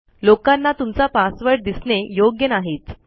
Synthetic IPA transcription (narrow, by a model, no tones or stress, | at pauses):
lokanːat̪umt͡sapãsʋəɽ̚d̪isɳejoɡjənaɦeːt̪